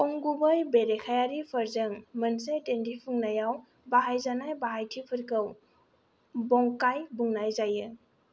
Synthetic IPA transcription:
kɔŋɡubəjbeɾekʰajaɾipʰəɾzəŋmənsetendipʰuŋnajaw | baɦajzanajbaɦajtʰipʰɯɾkɯw | bɔŋkajbuŋnajzajɯ

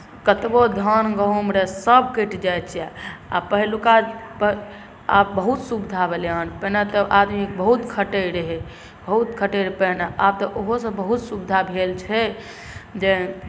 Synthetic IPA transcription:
kət̪bod̪ʱənɡəʊmɾesəb̚keʈʰd͡ʒajt̪t͡ʃʰijaa̰pəɦlukapə | apbəɦut̪subd̪ʱabʱelanpənat̪ɔʔad̪mikbəɦut̪kʰəʈəɾeɦɛ | bəɦut̪kʰəʈeɾpənaab̚t̪ɔʔoɦosə̃bəɦut̪subd̪ʱabʱelt͡ʃʰɛ | d͡ʒe

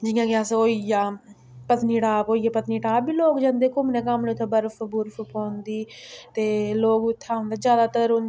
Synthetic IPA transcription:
d͡ʒɪːjãːkɪasoːijaː | pət̪niːʈaːpoːiːaːpət̪niːʈaːpiːloːkd͡ʒãːnd̪eːkʊmnẽːkəmnẽt̪ʰoːbəɾfbʊɾfpõːnd̪iːt̪eːloːɡt̪ʰːaːʊ̃nd̪aːzjaːd̪aːt̪əɾʊn

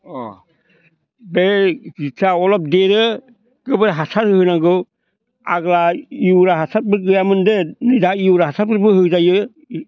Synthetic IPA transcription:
ɔ | dezisʰaɔlɔp̚deɾɯ | kɯbɯɾɦasaɾɯhɯnaɡɯ | a̰ɡlaiuwɾaɦasat̚bɯɡɯjamɯndɯnɯdaiuwɾaɦasat̚pɯɾbɯhɯkzajɯ

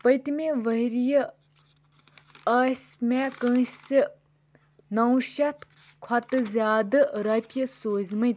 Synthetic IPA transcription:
pɐjt̪imẽʋɐɦiɾijə | ɐsmẽkə̃ːsɨ | nɐwʃɐt̪ | kʰɐt̪ɨzʲaːd̪ɨɾɐpʲjɐsoːzmɨ

